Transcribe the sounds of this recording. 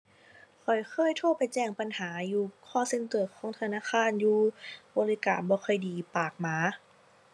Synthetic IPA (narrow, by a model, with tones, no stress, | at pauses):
kʰɔ˨˩jkʰɤː˧˥˨jt̪ʰoː˧˥˩pa˨jt͡ɕɛː˧˩ŋpa˨nhaː˩˦juː˨˧˩kʰɔː˧˥˩se˧˥nkɤː˨˩t̪̚kʰɔː˨˦ŋt̪ʰa˧naː˧˥˨kʰaː˧˥˨njuː˧bɔː˧˦li˦˧ka̰ː˨˩nbɔː˧˦xʰɔ˨˩jdiː˨˩paː˨˩k̚maː˨˧˦